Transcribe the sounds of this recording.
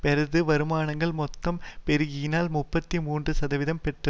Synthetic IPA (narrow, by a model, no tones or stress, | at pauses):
pɛɾɐðɯʋɐɾɯmaːɳɐŋɡɐɭmɔt̪ːɐmpɛɾɯɣinaːlmʊpːɐt̪ːimuːndrɯsɐðɐʋɪðɐmpɛʈrɐ